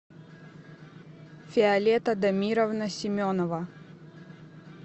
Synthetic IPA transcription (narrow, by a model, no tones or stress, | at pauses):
fʲɪɐlʲet̪əd̪ɐmʲiɾəvnɐsʲɪmʲonɐvə